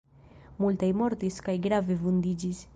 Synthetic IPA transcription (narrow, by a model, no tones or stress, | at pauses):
mult̪ajmɔɾt̪iskajɡɾavevund̪id͡ʒis